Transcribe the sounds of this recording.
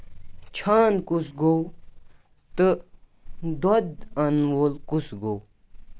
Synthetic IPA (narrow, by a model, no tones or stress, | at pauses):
t͡ɕʰaːnkusɡow | t̪ɨ | d̪od̪ɐnwolkusɡow